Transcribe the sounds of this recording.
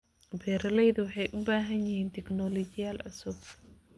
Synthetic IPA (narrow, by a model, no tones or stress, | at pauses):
bɛɾɐlɛjðɐwɑħɑjʔʊbaːɦɐnjɪhiːnt̪ʰɛknɔlɔt͡ʃɪjaːlʔɐ̰sɔɡ